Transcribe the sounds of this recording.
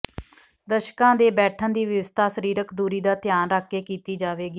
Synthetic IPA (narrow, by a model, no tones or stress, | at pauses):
d̪əʃkãːd̪eːbɛːʈʰə̃nd̪iːʋjəʋəst̪ʰaːsəɾiːɾəkd̪uːɾiːd̪aːt̪jaːnɾaːkʰːeːkiːt̪iːd͡ʒaːʋeːɡiː